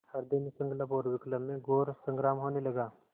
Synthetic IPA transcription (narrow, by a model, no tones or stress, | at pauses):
hɐɾd̪enisə̃ŋɡlapoːɾʋɪkləmːẽɡoːɾsə̃ŋɡɾaːmɦoːnelɐɡaː